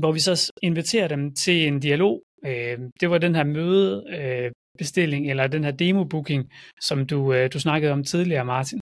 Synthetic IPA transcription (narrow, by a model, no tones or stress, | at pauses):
ʋɒʋisɒ̽e̝nʋit͡sʰe̝̰ːɐɾ̥emt͡sʰe̝le̝nd̥iælo̝̰ː | d̥e̝ʋɑ̈d̥enɦæɐ̰møːðˠø | b̥e̝sd̥e̝l̰e̝ŋelɐd̥enhæɐd̥e̝ːmo̝b̥uɡ̥ʰe̝ŋsɒ̽md̥ud̥usnɑ̈ɡ̥əð̞̩ˠɒ̽mt͡sʰið̞ˠliɐmɑ̈ːt͡sʰin